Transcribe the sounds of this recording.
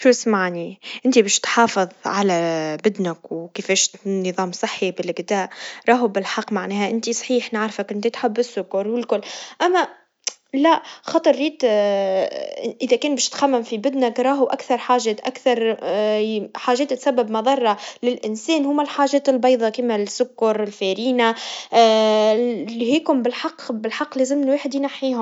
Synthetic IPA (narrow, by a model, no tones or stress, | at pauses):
ʃuːsmaʕniʔɪnt̪ibeːʃt̪ħɑːfɨðˤʕalæbɪd̪nɪkwkɪfɛːʃnɨðˤɑːmsˤɨħːibɪlɪɡd̪aːʔɾˤɑːɦubɪlħɑqːmaʕnɛːhæʔɪnt̪isˤħiːħnɪʕɾfakʔɪnt̪it̪ħɪbːɪsːʊkaɾwɪlkʊlːʔæmːæ | læʔxɑt̪ˤɨɾˤːiːt̪ | ʔɪðækɛːnbɛːʃt̪xæmːæmfibɪd̪nɪkɾˤɑːɦuʔækθɑɾˤħaːʒɛːt̪ʔækθɑɾˤ | ħaːʒɛːt̪t̪sæbːɪbmɑðˤɑrˤːɑlɪlʔɪnsɛːnhʊmːælħaːʒɛːt̪ɪlbɑjðˤɑkiːmælsːʊkːɑɾˤɪlfæːɾiːna | liɦiːkʊmbɪlħɑqːbɪlħɑqːleːzɪmnweːħɪd̪jnaħːiːhʊm